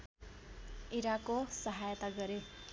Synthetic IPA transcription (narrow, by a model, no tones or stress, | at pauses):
iɾakosʌɦajt̪aɡʌɾe